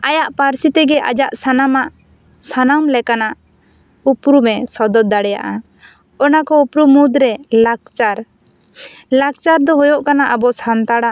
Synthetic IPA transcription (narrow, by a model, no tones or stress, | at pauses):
ajaʔpaɾsit̪ɛɡɛʔa̰d͡ʒaʔsanamaʔ | sanamlɛkanaʔ | upɾumɛsɔd̪ɔd̪aɽɛja̰ʔa | ɔnakɔupɾumud̪ɾɛlak̚t͡ʃaɾ | lak̚t͡ʃaɾd̪ɔɦɔjɔʔkanaʔabɔsant̪aɽa